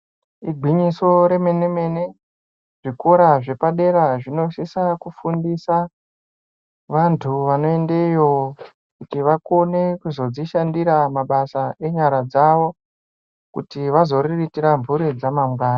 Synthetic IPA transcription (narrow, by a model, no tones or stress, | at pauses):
iɡʱwiɲiso̞ɾe̞me̞neme̞ne̞ | ʐ̥iko̞ɾaʐe̞paɗe̞ɾaʐino̞sisakufundisa | ʋantʰuʋano̞endejo | kutiʋakonekuzo̞d͡ziʃandiɾamaɓasaʔe̞ɲaɾad͡zaʋo | kṵtiʋazo̞riritiɾaɱvuɾid͡zamamɡaːna